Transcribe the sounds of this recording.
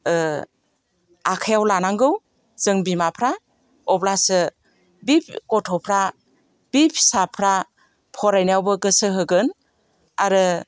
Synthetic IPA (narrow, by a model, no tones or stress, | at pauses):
akʰajawlanaŋɡɯw | zɯŋbimapʰɾa | ɔplasɯ | bip̚ʰkɔtʰɔpʰɾa | b̥ipʰsapʰɾa | pʰɔɾajnawbɯɡɯsɯɦɯɡɯn | aɾɯ